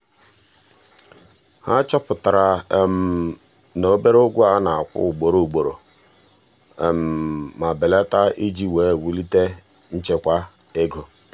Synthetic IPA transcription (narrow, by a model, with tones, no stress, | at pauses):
ha˦t͡ʃɔ˦pʊ˨ta˨ɾa˨m̩˨ | no˨˦be˦ɾo˦ɡʷʊ˦a˦na˨a˨kʷʊ̰˦˨ɡ͡bo˨ɾo˨u˨ɡ͡bo˨ɾo˨ | e˨m̩ː˨a˨bɪ˨le˦ta˦ʔi˦d͡ʒi˦weː˨˦˨wu˦li˦te˦ | n̩˦t͡ʃe˦kʷa˦ | e˦ɡo˨